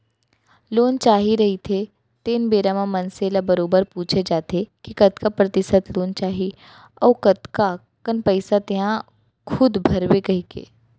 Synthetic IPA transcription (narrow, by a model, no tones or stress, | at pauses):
loːnt͡ʃaːɦiɾɐɦit̪ʰe | t̪eːnbeːɾamãmɐnseːlabɐɾoːbəɾpuːt͡ʃʰed͡ʒaːt̪ekikɐt̪kapɾɐt̪ɪʃət̪loːnt͡ʃaːɦi | ɔːkɐt̪ka | kənpəɪsat̪ɪɦã | kʰʊd̪bʱɐɾwekɐɦikḛː